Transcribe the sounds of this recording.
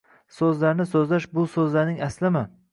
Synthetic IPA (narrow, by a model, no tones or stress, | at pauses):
sɵzlaɾnɪsɵzlaʃbʊsɵzlaɾnɪŋaslɪmɪ